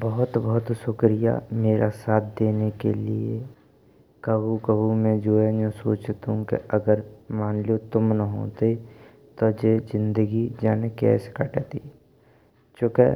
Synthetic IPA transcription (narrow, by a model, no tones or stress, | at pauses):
bəɦʊt̪bəɦʊt̪sʊkɾija̰meːɾʔasaːt̪̚ʰd̪eːnekḛlie | kəbukəbumɛ̃d͡ʒoed͡ʒõsoːt͡ʃt̪ɦũkḛəɡəɾmaːnlot̪ʊmnəɦo̰ːt̪e | t̪ɔd͡ʒeːd͡ʒɪ̃nd̪əɡid͡ʒaːnekɛ̰ːskəʈet̪ḭ | t͡ʃoːkḛ